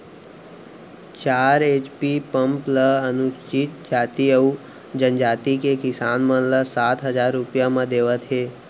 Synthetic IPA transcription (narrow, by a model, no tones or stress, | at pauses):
t͡ʃaːɾeːt͡ʃpipəmpləənuʃt͡ʃit̪̚d͡ʒaːt̪iəu | d͡ʒənd͡ʒaːt̪ikekɪsaːnmənləsaːt̪ɦəd͡ʒaːɾːupjãmãd̪eːʋət̪ɦeː